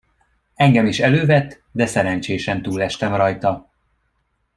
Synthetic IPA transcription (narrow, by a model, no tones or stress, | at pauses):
ɛŋɡɛmiʃɛløːvɛt̪ː | d̪ɛsɛɾɛnt͡ʃeːʃɛnt̪uːlɛʃt̪ɛmrɒjt̪ɒ